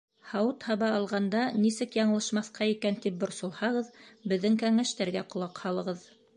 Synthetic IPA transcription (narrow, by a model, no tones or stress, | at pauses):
hɑwɤt̪hɑβɑɑlˠʁɑnd̪ɑnisɘkjɑɴɤlˠɤ̆ʃmɑθqɑikænt̪ip̚bŏɾsŏlˠhɑʁɤðbɘ̆ðːɘŋkæŋæʃt̪æɾɡæqŏlˠɑqhɑlˠɤ̆ʁɤð